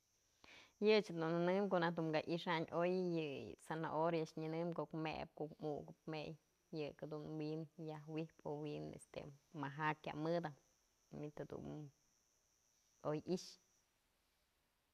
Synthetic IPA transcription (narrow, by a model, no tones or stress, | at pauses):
jɨt͡ʃhad̪unɨnɨmkoʔnahd̪uŋɡaʔiʂaɲʔojjɨsana̰ʔoɾjaʂɲɨnɨmkokmḛp̚koʔkmuɡɨpmejː | ɨkad̪unwinjahwipowinḛst̪ḛmaɦakʲja̰ʔmɨd̪a | mit̪had̪ṵn | ojiʃ